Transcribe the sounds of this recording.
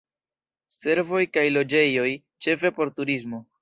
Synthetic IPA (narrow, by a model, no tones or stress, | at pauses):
se̞ɾvo̞jkajlo̞d͡ʒe̞jo̞j | t͡ʃe̞fe̞po̞ɾtuɾizmo̞